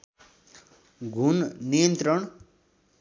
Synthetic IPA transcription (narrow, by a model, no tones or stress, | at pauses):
ɡʱunnijʌnt̪rʌɳ